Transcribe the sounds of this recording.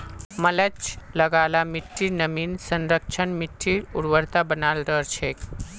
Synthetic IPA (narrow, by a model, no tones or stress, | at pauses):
mələt͡ʃləɡalamiʈʰːiɾnəmiːnsənɾək̚t͡ʃʰənmiʈʰːiɾuɽʋəɾt̪abənalɾəɾt͡ʃʰek